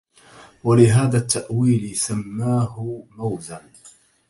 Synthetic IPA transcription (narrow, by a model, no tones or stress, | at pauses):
walɪɦaːðaːt̪ːaʔwiːlɪsamːaːhʊmawzan